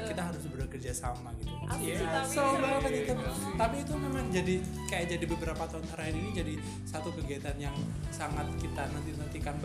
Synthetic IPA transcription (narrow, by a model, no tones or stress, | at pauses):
kit̪aɦaɾʊsbəɾakərd͡ʒasamaɡit̪u | sobakaɲat̪at̪apiːt̪umemaŋd͡ʒadikajaʔd͡ʒadibəbəɾapat̪ant̪aɾaininid͡ʒadi | sat̪ukəɡiat̪anjaŋsaŋat̪̚kit̪anant̪inərt̪ikanb